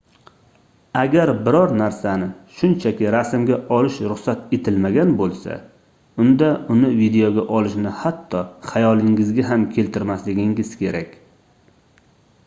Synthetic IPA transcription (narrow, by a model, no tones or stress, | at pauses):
aɡʲaɾbɪɾɒɾnaɾsanɪʃʊnt͡ʃʰakʲɪɾasmɡʲaʔɒlɪʃɾʊχsat̪e̞t̪ʰɪlmaɡʲanbolˠsa̰ | ʊnd̪aʊnɪvid̪e̞oɡʲaʔɒlɪʃnɪhat̪ʰːɒχajɒlɪŋɪzɡʲaɦamkʲʰe̞lt̪ʰɪɾmaslɪɡʲɪŋɡɪz̥kʲʰe̞ɾakʲ